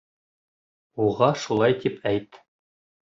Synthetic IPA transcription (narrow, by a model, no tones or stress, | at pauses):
uʁɑʃulˠɑjt̪ipʰæjt̪